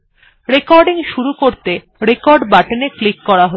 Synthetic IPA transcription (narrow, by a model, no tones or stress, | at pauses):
ɾekɔɾɖiŋʃuɾukoɾt̪e | ɾekɔɾɖbaʈeneklikːɔɾaɦo